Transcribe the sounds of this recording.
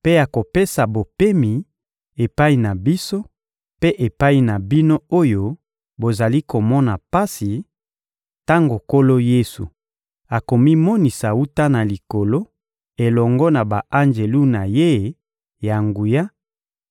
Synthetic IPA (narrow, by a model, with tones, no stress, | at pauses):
pe˦ja˨ko˨pe˦sa˨bo˨pe˦mi˨ | e˨pa˦i˨na˨bi˦so˦ | pe˦ʔe˨pa˦i˨na˨bi˦no˦o˦jo˦ | bo˨za˨li˦ko˨mɔ˦na˨pa˦si˨ | ta˦ŋɡo˨ko˦lo˦je˦sṵ˨ | a˨ko˨mi˦mɔ˦ni˨sa˨u˦ta˦na˨li˨ko˨lo˦ | e˨lɔ˨ŋɡɔ˦na˨ba˨ʔa˦nd͡ʒe˨lu˦na˨je˦ | ja˨ŋɡu˨ja˦